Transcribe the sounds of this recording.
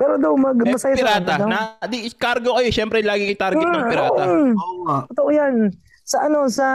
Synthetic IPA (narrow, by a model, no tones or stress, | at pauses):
pɛːɾod̪ɐwmɐɡmɐsɐjasɪɾaːt̪aɐnad̪ikaɾɡokɐjoʃɛmpɾɛlaːɡɪɐt̪aɾɡɪɐpɪɾaːɐ | t̪ot̪oʔojan | sɐʔɐno̞sɐ